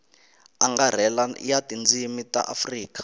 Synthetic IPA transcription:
aŋɡar̤ɛlaḭjatʼind͡zimitʼa̰ʔa̰friːkʼḁ

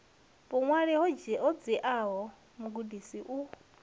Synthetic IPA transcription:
pɔŋwaɺɛɦɔd͡ʒɛʔɔd͡ziʔaɦɔ | muɡudisiʔu

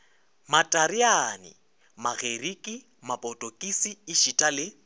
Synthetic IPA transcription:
matʼaɾianɪ̰ | maɣerikʼi | mapʼɔtʼɔkʼisiːʃitʼalɪ

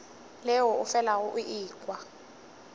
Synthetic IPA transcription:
lɛwɔufɛlaɣuʔiʔiːk̬ʼwa

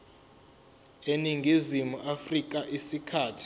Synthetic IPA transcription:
eniŋɡʱizimuʔafrik̬ʼaʔisikʰaːtʰi̥

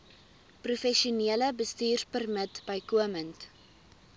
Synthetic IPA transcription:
prufɛʃiuniələbəstiːrpərmətbəjkuəmənt

